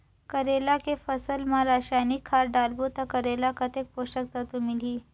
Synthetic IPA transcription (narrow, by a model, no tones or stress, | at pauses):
kəɾelakefəsəlmãɾaɕajnikʰːaɾɖalbut̪akəɾelakət̪ek̚poɕək̚t̪at̪umiliː